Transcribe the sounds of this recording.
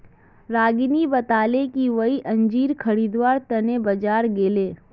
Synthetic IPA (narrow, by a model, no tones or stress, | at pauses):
ɾaːɡinibət̪aːlekiʋɐiʔɐ̃ɲd͡ʒiːɾkʰəɽiːd̪ʋaːɾt̪ɐnebɐd͡ʒaːɾɡeːleː